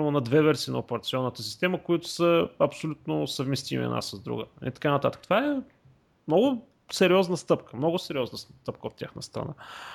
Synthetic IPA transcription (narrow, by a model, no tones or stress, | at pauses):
imʊnɐd̪vɛvɛɾsinɐopɛɾɐt̪siɔnːət̪əsist̪ɛməkoit̪ʊ̥səɐpsolʲut̪̚nʊsəvmɛst̪imḭɛ̰nʔa̰səzd̪ɾṵɡəḭt̪ɐ̥kanət̪at̪əkət̪o̥vaɛ | mnɔɡʊ | sɛɾiɔznəst̪ɤpkəmnɔɡʊsɛɾʲiɔznəst̪ɤp̚kəot̪tʲja̰xnəst̪ɾɐ̰na̰